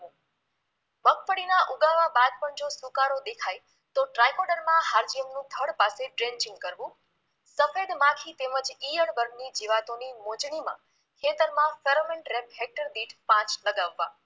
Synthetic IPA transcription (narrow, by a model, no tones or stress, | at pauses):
bəkfəɽinaʔuɡaʋabad̪̚pəɳd͡ʒosukaɾod̪ekʰaj | t̪oʈɾajkɔɾɖəɾmãɦaɾd͡ʒiəmnũt̪ʰəɽpaseɖɾent͡ʃĩŋɡkəɾʋũ | səfed̪mãkʰit̪eməd͡ʒijəɳbəɾɡnid͡ʒiʋat̪onimod͡ʒɳimã̰ | kʰet̪əɾmãfeɾomenʈɾepɦek̚ʈəɾniʈpãt͡ʃləɡaʋːã